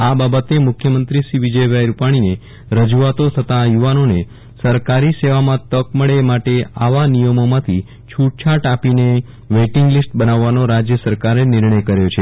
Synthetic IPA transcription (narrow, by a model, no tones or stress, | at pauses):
ababət̪emʊkʰjəmənt̪ɾiʃiʋid͡ʒəjʋajɾupaɽ̃ine | ɾəd͡ʒuat̪ot̪ʰət̪ajuʋanone | səɾkaɾiseʋamãt̪əkməɭemaʈeaʋanijəmomãt̪ʰi | t͡ʃʰuʈ̚t͡ʃʰaʈapine | ʋeʈɪŋɡlisʈbənaʋːanoɾad͡ʒjəsəɾkaɾenɪɾɳəjkəɾjot͡ʃʰe